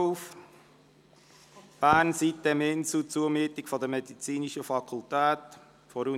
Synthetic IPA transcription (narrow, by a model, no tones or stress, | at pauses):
f | b̥æːnsit̪ːɛmɪnsut͡suəmyːt̪ikfɔd̪əmɛdit͡siːniʃəfɑkʰultæːt | fɔɾu